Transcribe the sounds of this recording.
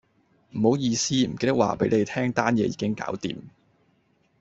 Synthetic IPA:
m̩˨˩ho˨˥wjiː˧siː˥m̩˨˩ke˧jt̪ɐ˥waː˨pe˨˥jne˨˧jt̪ʰɛː˥ŋt̪aː˥njɛː˨˧jḭː˨˧kɪ˥ŋka̰ː˨˥wt̪ḭː˨m

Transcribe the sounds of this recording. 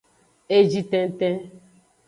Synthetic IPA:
e˦d͡ʒi˦tɛ̃˦n˦tɛ̃˦

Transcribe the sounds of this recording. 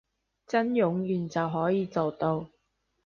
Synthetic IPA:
t͡sɐ˥njʊ˨˥ŋjyː˨˩nt͡sɐ˨wɦɔː˨˥jiː˨˧t͡so˨wt̪o˧w

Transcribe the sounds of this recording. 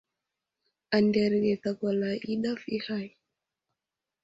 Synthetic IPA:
a˨ndɛ˨ɾɡɛ˨t̪a˨ka˨la˨ʔi˦ɗa˦fi˦ha˦j

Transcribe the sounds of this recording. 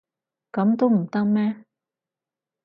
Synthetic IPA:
kɔ˨˦mt̪u˦˧m˨˩t̪a˧ma˧

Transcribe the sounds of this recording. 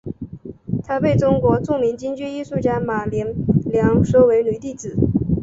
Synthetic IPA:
t̪ʰa˥pe˥˩ɪʈ͡ʂʊ˥ŋkwɔ˧˥ʈ͡ʂu˥˩ŋmi˧˥ŋt͡ɕi˥ŋt͡ɕy˥˧i˥˧ʂu˥˩t͡ɕja˥˩ma˨˩ljɛ˧˥nljɑ˧˥ŋʂo˥ʊwe˧˥ɪny˨˩t̪i˥˩t͡sɹ̩˨˩˦

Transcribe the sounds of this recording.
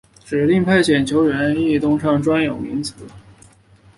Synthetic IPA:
ʈ͡ʂɻ̩˨˩t̪i˥˧ŋpʰa˥˩ɪt͡ɕʰjɛ˨˩nt͡ɕʰjo˧˥ʊɻə˧˥ni˥˧t̪ʊ˥˧ŋʂʰɑ˥˩ŋʈ͡ʂwa˥njo˨˩ʊmḭ˧˥ŋt͡sɹ̩˧˥

